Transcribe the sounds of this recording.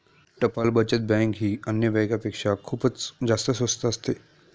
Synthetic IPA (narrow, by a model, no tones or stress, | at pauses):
ʈɐpalbət͡ʃət̪̚bɛ̃ːŋkɦiːənjəʋɛːjkapekʃakʰubət͡sd͡ʒaːst̪əsʋəst̪əst̪ʰeː